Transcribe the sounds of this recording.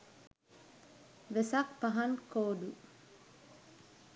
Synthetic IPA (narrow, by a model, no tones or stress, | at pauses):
ʋesak̚paɦankʰoːd̪u